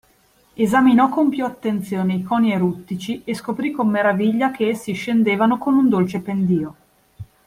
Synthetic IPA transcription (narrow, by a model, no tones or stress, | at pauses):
ezaminɔkompjuat̪ːent̪sjoːneikɔːnieɾut̪ːit͡ʃieskopɾikomːeɾaviʎːakeesːiʃːend̪eːvanokonund̪olt͡ʃepend̪iːo